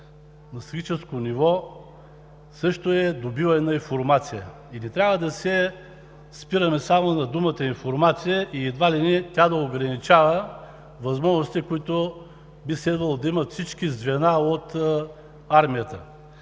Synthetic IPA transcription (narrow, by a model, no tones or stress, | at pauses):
nɐsɡʲit͡ʃɛskonivɔ | sɤʃt̪oɛd̪obivɐɛnɐinfoɾmat̪sijə | inɛt̪ɾʲavəd̪ɐsɛ | spiɾɐmɛsamonɐd̪umət̪əinfoɾmat̪sijəʔiːd̪valinɛt̪ʲad̪ɐoɡɾɐnit͡ʃavə | vɐzmɔʒnosi̥t̪ɛkoit̪o | bislɛd̪vəlˠd̪ɐiməfsit͡ʃkizvɛnaot̪ | aɾmijət̪ə̰